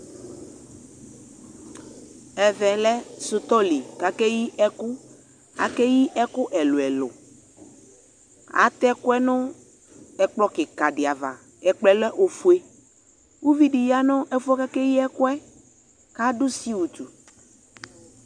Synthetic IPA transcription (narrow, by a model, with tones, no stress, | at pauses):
ɛ˨vɛ˨lɛ˦sʊ˨t̪ɔ˦li˨ka˨kɛ˦ji˦ʔɛ˦kʊ˦ | a̰˨kɛ˦ji˦ʔɛ˦kʊ˦ʔɛ˨lo˨ɛ˨lʊ̰˨ | a̰˨˦t̪ɛ˦kʊ˦ɛ˦nʊ̃˦ | ɛ˨k͡plɔ˦kɪ˨ka˨ɖɪ˨a˨va̰˨ | ɛ˨k͡plɛ˨lɛ˦ʔo˨fu˨e˦ | wu˦vi˦ɖi˨ja˦nʊ̃˦ʔɛ˦fu˦ɛ˦ka˦kɛ˦ji˦ɛ˦kʊ˦ɛ˦ | ka˦ɖʊ˦si˦wu˨t̪u˨